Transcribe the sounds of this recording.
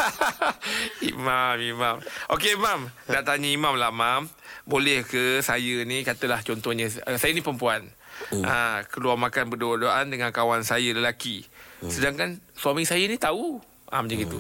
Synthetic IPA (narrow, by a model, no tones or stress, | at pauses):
ḭmamimãmʔokeimam | naʔt̪aɲəimãmlamam | bolɛhkəsajənikat̪əlaht͡ʃɔnt̪ɔhɲə̃əsajanĩpɾəmpuanakəluarmakanbədoadoaʔandəŋãnkawansajələlakisədaŋkanswamiŋsajənĩt̪au | ʔa̰məd͡ʒaɡit̪u